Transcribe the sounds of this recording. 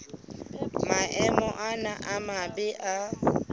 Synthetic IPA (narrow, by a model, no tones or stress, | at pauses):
maʔɛmɔʔanaʔamabɪʔa